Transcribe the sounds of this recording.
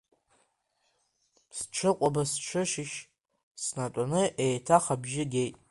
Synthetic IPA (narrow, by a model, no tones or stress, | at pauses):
st͡ʃʷʰɨqʷʼabast͡ʃʷʰɨʃɪʃ | snatʷʼanɨʔejtʰaχabʒɪɡʲejtʼ